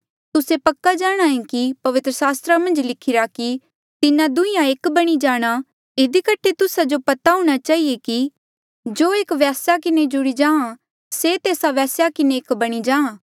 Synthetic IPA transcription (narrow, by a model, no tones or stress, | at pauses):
t̪ʊsepɐkːad͡ʒaːɽ̃aẽkipɐʋɪt̪ɾəsaːst̪ɾamɐ̃nd͡ʒlɪkʰɪɾaki | t̪ɪnãd̪ʊ̃ɪ̃jãeːkbɐɽ̃id͡ʒaːɽ̃a | ɪd̪ikəʈʰet̪ʊsad͡ʒopɐt̪aɦʊ̃ɽ̃at͡ʃaːieki | d͡ʒoːeːkʋɛːsjakɪned͡ʒʊɽid͡ʒãːã | set̪eːsaʋɛːsjakɪneeːkbɐɽ̃id͡ʒãːãː